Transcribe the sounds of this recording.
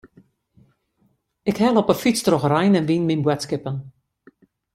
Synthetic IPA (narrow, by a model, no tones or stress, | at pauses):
ɪkhɛlˠɔpəfit͡strɔxrɛjnɛnʋinminbwɛtskɪpən